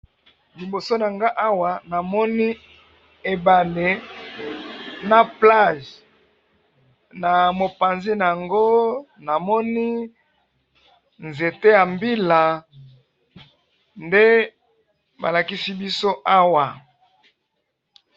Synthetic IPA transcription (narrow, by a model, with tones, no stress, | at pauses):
li˨bo˨so˦na˨ŋɡa˦ʔa˦wa˨na˨mɔ˦ni˦ | e˨ba˨le˨ | na˨pla˦˨ʒ | na˨mo˨pa˨nzi˦na˨ja˨ŋɡo˦ | na˨mɔ˦ni˦ | nze˨te˦ja˨mbi˦la˨ | nde˦ | ba̰˨la˨ki˦si˦bi˦so˦ʔa˦wa˨